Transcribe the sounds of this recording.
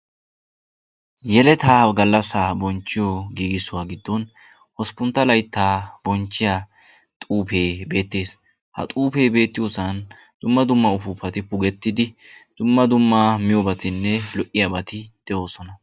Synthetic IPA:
jɛlɛt̪aːɡɐlːɐsaːbɔnt͡ʃːɪjoɡiːɡɪsʊwaːɡɪd̪ːɔn | hɔspʊnt̪ːɐlɐjt̪ːaːb̥ɔnt͡ʃːɪjaː | t̪ʼuːpe̞ːbe̞ːt̪ːe̞ːs | hɐ̰t̪ʼuːpe̞ːbe̞ːt̪ːɪjosɐn | d̪̥ʊmːɐd̪ʊmːɐʊfʊpːɐt̪ɪpʊɡɛt̪ːɪd̪ɪd̪̥ʊmːɐd̪ʊmːaːmɪjobɐt̪ɪnːɛlɔʔɪjabɐt̪ɪd̪̥ɛʔo̞ːsɔnɐ

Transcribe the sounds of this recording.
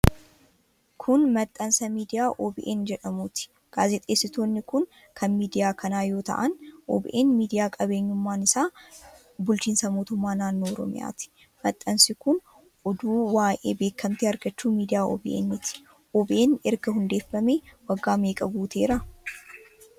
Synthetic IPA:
kʰʊnmɐt̪ʼːɐnsɐmiːd̪ɪjaːʔoːbɪʔeːnd͡ʒɛᶑɐmuːt̪ɪ̥ | ɡ̥aːzɛt̪ʼeːsːɪt̪o̞ːnːɪkʊn | kʰɐnmiːd̪ɪjaːkʰɐnaːjo̞ːt̪ɐ̰ʔɐnʔo̰ːbɪ̰ʔeːnmiːd̪ɪjaːkʼɐbe̞ːɲːʊmːaːnɪsaː | bʊlt͡ʃiːnsɐmoːt̪ʊmːaːnaːnːo̞ːɔɾɔ̰mɪ̰ja̰ːt̪ɪ̥ | mɐt̪ʼːɐnsɪkʊn | ʔɔd̪uːwaːʔḛːbe̞ːkːɐmt̪ɪɐɾɡɐt͡ʃːuːmiːd̪ɪjaːɔ̰ːbɪʔḛːnːɪt̪ɪ̥ | ʔoːbɪʔeːnɛɾɡɐhʊnd̪eːfːɐmeːwɐɡːaːme̞ːkʼɐɡuːt̪ʰe̞ːɾɐ

